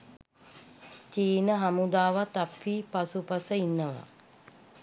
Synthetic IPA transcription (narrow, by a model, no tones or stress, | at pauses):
t͡ʃiːnəɦamud̪aːʋat̪apːiːpasupasəinːəʋa̰